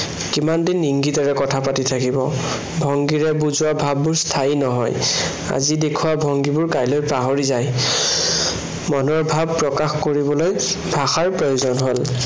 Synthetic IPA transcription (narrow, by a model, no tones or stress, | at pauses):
kimandinːiŋɡitaɹɛkɔtʰapatitʰakibɔ | bʱɔŋɡiɹɛbuzʊwabʱabːʊɹstʰainɔɦɔ̰j | a̰zidekʰuwabʱɔŋɡibʊɹkajlojpaɦoɹizaj | mɔnɔɹbʱabpɹɔkaxkoɹibɔloj | bʱaxaɹpɹojozɔnɦol